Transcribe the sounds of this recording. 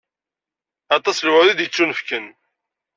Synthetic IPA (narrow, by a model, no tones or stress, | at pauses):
ɑt̪ˤɑslwðid̪jət͡sːunəfkən